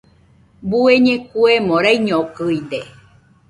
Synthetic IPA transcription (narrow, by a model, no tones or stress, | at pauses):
bueɲẽkuemõɾaiɲõkɨid̪e